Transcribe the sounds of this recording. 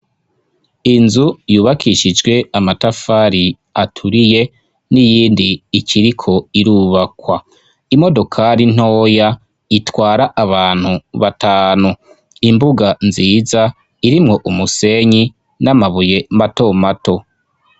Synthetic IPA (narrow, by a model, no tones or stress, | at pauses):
inzujuːβakʰiʃid͡ʒɡwe̞amatafaːɾi | atʰuɾije̞ | nijiːndiːcʰiɾikʰo̞iɾuːβakwa | imo̞do̞kʰaɾin̥o̞ːja | itwaːɾaʔaβaːn̥huβataːnu | imbuɡanziːza | iɾimŋo̞ʔumuse̞ɲi | namaβuje̞mato̞mato̞